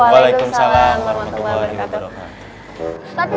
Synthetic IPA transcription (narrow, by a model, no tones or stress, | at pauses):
walajkʊmsalamwaɾamat̪ubajiwabaɾakat̪